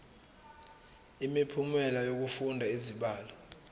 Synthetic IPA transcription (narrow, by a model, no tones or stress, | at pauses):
imipʰumɛlajok̬ufundʱaiziɓaːlɔ